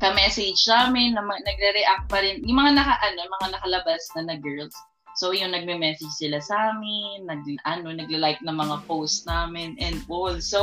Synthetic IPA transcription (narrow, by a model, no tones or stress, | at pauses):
kɐmɛsɛd͡ʒsaːmɪnːɐmnɐɡɾɛɾɛʔak̚t̪̚pɐɾɪnjʊŋmɐŋanɐkaʔɐno̞mɐŋanɐkɐlɐbasnɐnɐɡɛɹlsː | ojʊŋnɐɡ̚mɛmɛːsɛd͡ʒsɪlasaːmɪnːɐɡ̚ʔɐno̞nɐɡ̚lɪlajk̚nɐŋmɐŋapowst̪̚naːmɪnʔɛnd̪̚ʔolso